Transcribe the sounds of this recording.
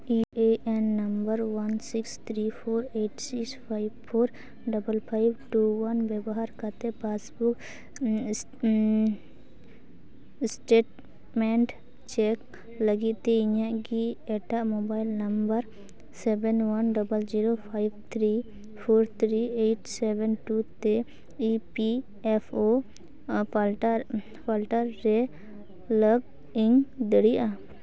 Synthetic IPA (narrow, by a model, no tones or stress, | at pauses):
ieɛnːɐmbəɾwɐnsikst̪ʰɾipʰoːɾeʈsikspʰajbpʰoːɾ | ɖɐbəlpʰajbʈuwɐnbɛbɔɦaɾkat̪epasbuk | sʈeːʈ | mɛɳʈ | t͡ʃɛk | ləɡit̪eiɲãʔɡiɛʈaʔmobajlnəmbəɾ | sɛbɛnwanɖɔbəld͡ʒiɾopʰajbt̪ʰɾi | pʰoɾt̪ʰɾieʈsɛbɛnʈut̪ɛ | ipi | ɛpʰo | pʰalʈəɾːɛ | ləɡ | iŋd̪əɽija